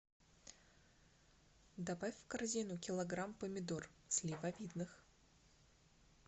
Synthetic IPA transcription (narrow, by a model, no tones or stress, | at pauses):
d̪abafʲfkɐrzʲinʊkʲɪlˠɐɡɾampəmʲɪd̪orsʲlʲɪvavʲid̪nɨx